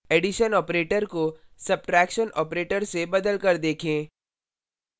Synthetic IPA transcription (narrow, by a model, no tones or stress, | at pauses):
eːɖɪʃənɔːpɾeːʈəɾkosɐb̚ʈɾɛːkʃənʔɔ̰ːpɾeːʈəɾsebɐd̪əlkɐɾd̪eːkʰẽː